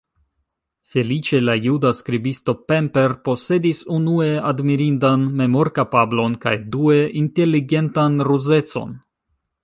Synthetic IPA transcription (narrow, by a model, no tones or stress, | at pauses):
fe̞lit͡ʃe̞lajudaskɾibisto̞pe̞mpe̞ɾpo̞se̞disunue̞admiɾindanme̞mo̞ɾkapablo̞nka̰jdue̞ʔinte̞liɡe̞ntanɾuze̞t͡so̞̰n